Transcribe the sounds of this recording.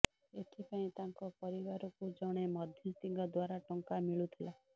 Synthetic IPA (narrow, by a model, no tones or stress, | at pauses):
et̪ʰipaĩt̪aŋkɔpɔɾibaɾɔkud͡ʒɔɽ̃emɔd̪ʱjɔst̪iŋɡɔd̪waɾaʈɔŋkamiɭut̪ʰila